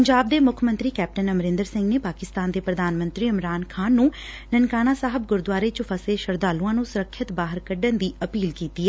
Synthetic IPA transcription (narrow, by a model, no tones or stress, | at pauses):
pəɲd͡ʒaːb̚d̪eːmʊkʰmə̃nt̪ɾiːkɛːp̚ʈənəmɾɪ̃nd̪əɾsɪ̃ŋɡneːpaːkɪst̪aːnd̪eːpɾəd̪aːnmə̃nt̪ɾiːəmɾaːnkʰaːnːũː | nənkaːnaːsaːɦəb̚ɡʊɾd̪ʊaːɾeːt͡ʃʊfʰəseːʃəɾd̪aːlũãːnũsʊɾəkʰːət̪baːɦəɾkəɖənd̪iːəpiːlkiːt̪iːɛː